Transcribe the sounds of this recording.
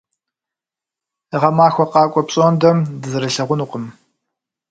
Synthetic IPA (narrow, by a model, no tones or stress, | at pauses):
ʁɐmaːxʷɔqɑːkʷʼɔpɕʼoːndɐmdɨzɨɾɐɬɐʁʷʊnuːqəm